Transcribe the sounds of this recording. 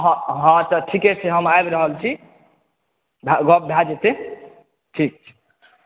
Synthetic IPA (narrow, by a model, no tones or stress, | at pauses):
ɦɦãt̪əʈʰikɛt͡ʃʰɛɦəmaebɾəɦəlt͡ʃʰi | bʱaɡɔp̚bʱjad͡ʒet̪e | ʈʰik̚t͡ʃʰɛ̥